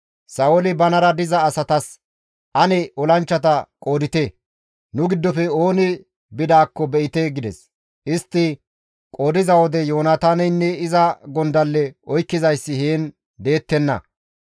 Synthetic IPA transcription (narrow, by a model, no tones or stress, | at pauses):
sɐolɪbɐnɐɾɐd̪ɪzɐːsɐt̪ɐs | ʔɐnɛʔɔlɐnt͡ʃːɐt̪ɐkʼo̞ːd̪ɪt̪e | nʊɡɪd̪ːɔfɛo̞ːnɪ | bɪd̪aːkːɔbɛʔɪt̪eɡɪd̪ɛ̰s | ʔɪst̪ːɪ | kʼo̞ːd̪ɪzɐwɔd̪ɛjo̞ːnat̪aːnɛjnːɛɪzɐɡɔnd̪ɐlːɛɔjkːɪzɐjsːɪheːn | d̪e̞ːt̪ːɛnːɐ̰